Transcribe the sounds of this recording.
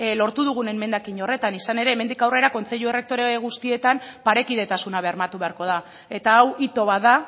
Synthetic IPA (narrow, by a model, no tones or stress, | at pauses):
lo̞ɾt̪uð̞uɣ̞une̞mme̞nd̪akiɲo̞re̞t̪anisane̞ɾe̞ːme̞nd̪ikawre̞ɾako̞nt͡se̞ʎuere̞k̚t̪o̞ɾeɣ̞ust̪ie̞t̪ampaɾe̞kiðe̞t̪asunaβe̞aɾmat̪uβe̞aɾko̞ð̞a | e̞t̪aːwit̪o̞βaða